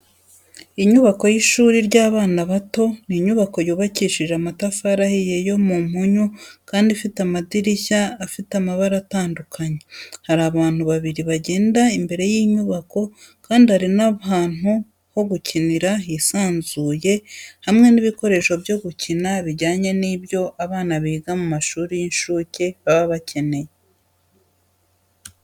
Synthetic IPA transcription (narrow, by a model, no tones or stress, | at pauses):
iɲuβako̞jiʃuːɾiɾɟaːβaːnaβato̞niɲuβako̞juːβaciʃiʒeamatafaɾahijejo̞mum̥huɲukaːndifitamadiɾiçaːfitamaβaɾataːndukʰaɲe̞haɾaːβaːn̥huβaβiɾiβaɟe̞ːndaimbe̞ɾe̞jiːɲuβako̞ | kaːndihaɾinaβaːn̥u | ho̞ɡucʰiniɾaɦisaːnzuːje̞hamŋe̞niβiko̞ɾe̞ʃo̞bjo̞ɡucinaβiɟaːɲe̞nibjo̞ʔaβaːnaβiːɡamumaʃuːɾijinʃuːce̞βaβaβacʰe̞ne̞je